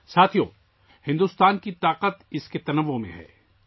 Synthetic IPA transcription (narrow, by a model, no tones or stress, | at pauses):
saːt̪ʰijo̰ː | hɪ̃nd̪uːst̪aːnkit̪aːqət̪ɪsket̪ɐnəʋːomḛ̃ɦɛ̰ː